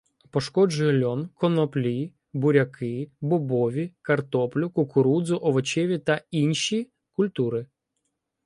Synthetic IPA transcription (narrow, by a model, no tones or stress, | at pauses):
pɔʃkɔd͡ʒʊjɛlʲɔnkɔnɔplʲi | bʊɾʲɐkʰɪbɔbɔʋʲikɐrt̪ɔplʲʊkʊkʊɾud̪zʊʔɔʋɔt͡ʃɛʋʲit̪ɐinʃi | kʊlʲt̪uɾɪ